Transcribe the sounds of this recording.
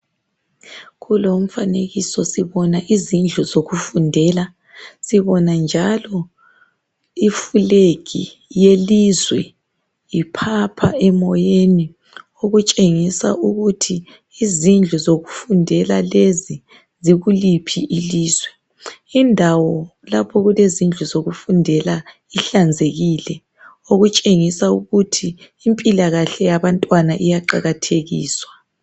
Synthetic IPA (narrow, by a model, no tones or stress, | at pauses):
ɣulom̩faneɣisɔsiβɔnaʔizind͡ɮʱuzoɣufundʱɛla | siβɔnand͡ʒʱalɔ | ifuleɣḭ | jelizwɛ̰ | jipʰapʰaɛmɔjeni | oɣut͡ʃʼeŋisa̰ʔuɣutʰiː | zind͡ɮʱuzoɣufundʱɛlalezi | ziɣulipʰiʔiliːzwɛ | indʱawɔlapʰɔɣulezind͡ɮʱuzoɣufundʱɛla | iɬand͡zʱeɣilɛ | oɣut͡ʃʼeŋisauɣutʰiː | mpʼilaɣaɬɛjaβantʼwanaʔijaǃaɣatʰeɣḭːswa